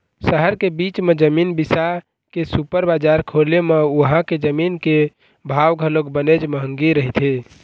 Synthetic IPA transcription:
səɦəɾkebit͡ʃmed͡ʒəminbisa | kesupəɾbad͡ʒaɾkʰolemeuɦãked͡ʒəminke | bʱawɡʱəlokbəned͡ʒməɦəŋɡiɾəɦit̪ʰe

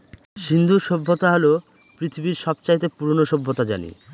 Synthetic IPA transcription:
ʃind̪ʱuʃobʱːot̪aɦolo | pɾit̪ʰibiɾʃɔbt͡ɕajt̪epuɾonoʃobʱːot̪ad͡ʑa̰nḭ

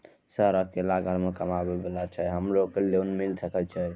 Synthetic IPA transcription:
səɦɾəkelaɡʱəɾmekəmabebelat͡ʃʰɛɦəmɾokəleunmilsəkəlt͡ʃʰɛ

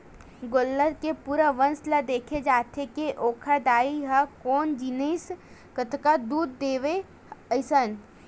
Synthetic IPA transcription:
ɡolːəɾkepuːɾəʋənsləd̪eːkʰed͡ʒaːt̪ʰekeʔoːkʰad̪aːiɦakoːnd͡ʒines | kət̪ʰkad̪uːd̪ːeːʋe | əɪsən

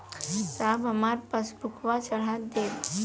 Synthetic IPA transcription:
sabəmaɾpəsbʱukʰʋat͡ʃəɭ̤at̪d̪et̪

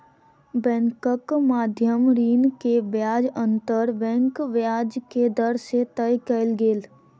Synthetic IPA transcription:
bɛ̃ːŋkəkmaːd̪ʱjəmɾiːnkeʋjaːd͡ʒə̃nt̪əɾbɛ̃ːŋkʋjaːd͡ʒked̪əɾset̪əjkəɪlɡeːl

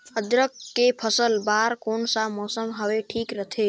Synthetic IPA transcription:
əd̪ɾəkːepʰəsəlbaːɾkoːnsamɔːsəmɦəʋeʈʰiːkɾət̪ʰe

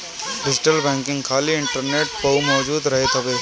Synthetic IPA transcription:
ɖɪd͡ʒɪʈəlbɛ̃ːŋkɪ̃ŋɡkʰaːliɪɳʈəɾneːʈpɐumɔːd͡ʒuːd̪ɾɐɦet̪ɦɐʋe

